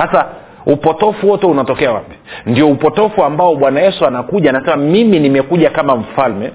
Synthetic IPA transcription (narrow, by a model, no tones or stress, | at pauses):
sasa | upɔtɔfuwɔtɛunatɔkɛawa̰pi̥ndiɔupɔtɔfuambaɔɓwanajɛsuanakuʄanasɛmamiminimɛkuʄakamam̩falmɛ